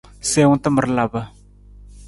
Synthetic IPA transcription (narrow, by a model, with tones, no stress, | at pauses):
se˦wʊ˦tə˦mə˨ɾla˨bə˨